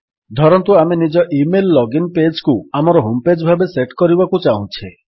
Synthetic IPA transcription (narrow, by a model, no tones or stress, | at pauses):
d̪ʱɔɾɔnt̪uamenid͡ʒɔʔimelːɔɡinped͡ʒkuamɔɾɔɦomped͡ʒbʱabeseʈkɔɾibakut͡ʃaũt͡ʃʰi